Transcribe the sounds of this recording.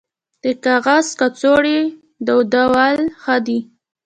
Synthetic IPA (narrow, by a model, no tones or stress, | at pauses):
d̪̥əkaɣaskat͡soɽi | d̪əwd̪awalxad̪i